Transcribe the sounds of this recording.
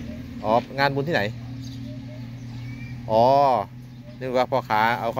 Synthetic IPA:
ʔɔː˨˦ŋaː˧nbu˧nt̪iː˥˨na˨˩˦j | ʔɔː˨˩˦ | nɯ˧˥˨waː˧˥˩pʰɔː˧˩kʰaː˩˦ʔa˧wkʰa˥˧

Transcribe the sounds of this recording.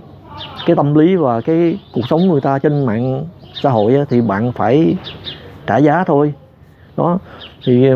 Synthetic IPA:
kaː˨˦jt̪ə˧mli˨˦vaː˨˩kaː˨˦jku˨˩ək̚sə˨˦wŋ͡mŋɨ˨˩əjt̪aː˧t͡ɕe˧nma̰ː˧˨nsa̰ː˧˥ɦo̰˧˨jʔaː˨˦t̪ʰi˨˩ɓa̰ː˧˨nfaː˧˩j | t͡ɕaː˧˩zaː˨˦t̪ʰo˧j | ɗɔ˨˦t̪ʰi˨˩

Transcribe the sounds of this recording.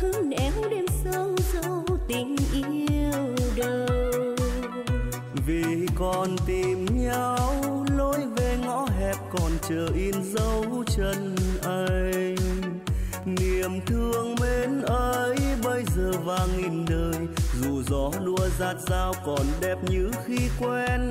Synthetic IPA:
hɨ˧˦nɛ˨˦wɗe˧msə˧wzə˧wt̪ï˨˩ŋ̟ʔi˧˦əwɗə˨˧˩w | vi˨˩kɔ˨˩nt̪i˨˩mɲa˧wlo˧jve˨˩ŋɔ̰˧˥ɦɛ˨˩p̚kɔ˨˩nt͡ɕəː˨˩ʔi˧nzə˧wt͡ɕə˧nʔə˧j | ni˨˩əmt̪ʰɨ˧əŋme˧˦nʔəː˧jɓə˧jzəː˨˩vaː˨˩ŋi˧nɗəː˧˨˩jzu˨˩zɔ˨˦ɗu˧əzaː˧t̚z̥aː˧wkɔ˨˩nɗɛ˧˩p̚ɲɨ˧˥xi˧kwɛ˧n

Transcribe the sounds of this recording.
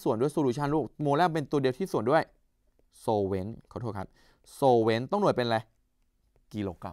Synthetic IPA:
su˨˩əndu˥˩əjsoː˧duː˧˩t͡ɕʰa˥˩nɾuː˥˩moː˧lɛː˥˩pe˧nt̪u˧di˧t̪ʰiː˥˩su˨˩əndu˥˩əj | soː˧we˦˥nkʰt̪ʰːkʰa˦˥p̚ | soː˧we˦˥nt̪ɔ˥˩ŋnu˨˩ət̪̚pe˧nlɛ˧ | ki˧loː˧ka̰˧

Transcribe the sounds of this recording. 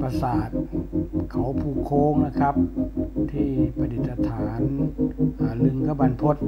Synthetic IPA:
pa˧saː˨˩t̪̚kʰa˨˦wpʰuː˧˩kʰoː˧˥ŋna˧˩kʰa˦˥p̚t̪ʰiː˧˩pʰa˧li˨˩t̪ːa˧t̪ʰaː˩˦nʔaː˨˩lɯ˧ŋkʰa˧˥ba˧˨npʰo˧˦˥t̪̚

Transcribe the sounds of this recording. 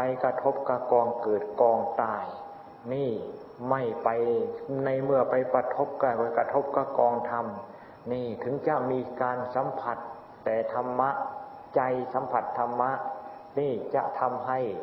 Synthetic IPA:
pa˧jkɾa˧t̪ʰo˦˥p̚ka˧˩kɔː˧ŋkɤː˨˩t̪̚kɔː˧ŋt̪aː˧˩j | niː˥˩ | ma˥˩jpa˧jna˧jmɯ˥˩ɐpa˧jpɾa˧t̪ʰo˦˥p̚kaː˧˩ka˧˩jka˧t̪ʰo˦˥p̚ka˧˩kɔː˧ŋt̪ʰa˧m | niː˥˩t̪ʰɯ˩˦ŋt͡ɕa˧˦ʔmiː˧kaː˧nsa˨˦mpʰa˧˩t̪ː | ɛː˨˩t̪ʰa˧mːa˦˥ʔ | t͡ɕa˧jsa˨˦mpʰa˧˩t̪ʰːa˧mːa˦˥ʔ | niː˥˩t͡ɕa̰˧ʔt̪ʰa˧mɦa˥˩j

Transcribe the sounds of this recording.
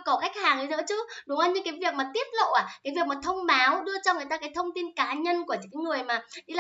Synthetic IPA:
kɔ˧˩ka˦˥jk̟̚haː˨˩ŋɗi˨˦nɨ̰˧˥t͡ɕɨ˨˦˥ɗʊ˨˦ŋ͡mʔə˧nɲɨ˧kaː˨˦jvi˨˩ək̚maː˨˩t̪i˦˥əp̚lo̰˧˨ʔaː˨˩kaː˨˦jvi˨˩ək̚maː˨˩t̪ʰə˧wŋ͡mɓaː˨˦wɗɨ˧ət͡ɕɔ˧ŋ͡mŋɨ˨˩ət̪aː˧kaː˨˦jt̪ʰə˧wŋ͡mt̪i˧nkaː˨˦ɲə˧nku˧˩ət͡ɕːkaː˨˦jŋɨ˨˩əjmaː˨˩ɗi˧la˧˨

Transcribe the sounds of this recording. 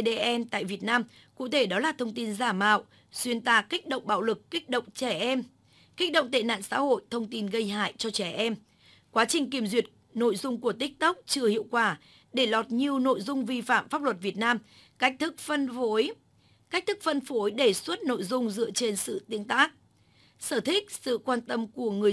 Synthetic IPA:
ɗe˧ʔɛ˧mt̪a̰ː˧˨jvi˨˩ət̚naː˧m | kṵ˧˨t̪ʰe˧˩ɗɔ˨˦laː˨˩t̪ʰə˧wŋ͡mt̪i˧nzaː˧˩ma̰ː˧˨w | swi˧ənt̪a̰ː˧ki˦˥k̚ɗə̰˧˨wŋ͡mɓa̰ː˧˨wlɨ˨˩kːi˦˥k̚ɗə̰˧˨wŋ͡mt͡ɕɛ˧˩ʔɛ˧m | ki˦˥ɗə̰˧˨wŋ͡mt̪ḛ˧˨na̰ː˧˨nsa̰ː˧˥ho̰˧˨jt̪ʰə˧wŋ͡mt̪i˧nɣə˧jha̰ː˧˨jt͡ɕɔ˧t͡ɕɛ˧˩ʔɛ˧m | kwaː˨˦t͡ɕï˨˩ŋ̟ki˧˩əmzwḭ˨˩ət̚ | no̰˧˨jzʊ˧ŋ͡mku˧˩ət̪ï˦˥k̟̚t̪ə˦˥k͡p̚t͡ɕɨ˧əhḭ˧˨əwkwaː˧˩ | ɗe˧˩lɔ˨˩t̚ɲi˨˩əwno̰˧˨jzʊ˧ŋ͡mvi˧fa̰ː˧˨mfaː˦˥p̚lwə˨˩t̚vi˨˩ət̚naː˧m | ka˦˥k̟̚t̪ʰɨ˦˥k̚fə˧no˨˦j | ka˦˥k̟̚t̪ʰɨ˦˥k̚fə˧nfo˨˦jɗe˧˩swə˦˥t̚no̰˧˨jzʊ˧ŋ͡mzɨ̰˧˨ət͡ɕe˧nsɨ̰˧˨t̪i˨˦əŋt̪aː˦˥k̚ | səː˧˩t̪ʰï˦˥k̚sɨ̰˧˨kwaː˧nt̪ə˧mku˧˩əŋɨ˨˩ə

